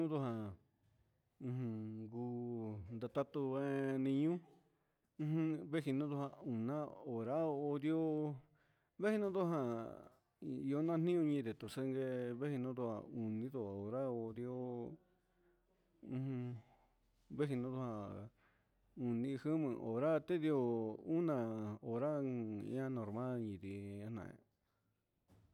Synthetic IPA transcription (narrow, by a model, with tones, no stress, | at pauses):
ũ˦d̪o˧hã˨ | ũ˧ɦɨ̃˧ɡu˧nd̪a˧t̪a˦t̪u˧βe˦nĩ˧ɲũ˦ | ɨ̃˧˦ɨ̃˧βe˦hi˧nũ˦ðu˧hã˧ũ˨nã˦o˨ɾa˦˧o˧d̪jo˦ | βe˦hi˧nũ˧˦ðo˦ɦã˧ | i˧o˦˧nã˦˧n̥ĩ˦ũ˧ɲĩ˧d̪e˨t̪o˨se˧ŋɡe˧βe˦hi˧nõ˧˦d̪o˧ha̰˧u˨nĩ˧˦ðo˧˨o˨ɾa˦o˧d̪i˧o˦ | ũ˧ | βe˦hi˧nõ˧˦ðo˧ha˧ | ũ˨nĩ˧hɨ˦mɨ̃˧ʔo̰˨ɾa˦t̪e˦ði˧o˧u˦nã˧o˨ɾã̰˦˧˦ã˦˧˦nõ˨ɾmã˦lɲĩ˨ði˧ã˧nã̰˧˨ḛ̃˧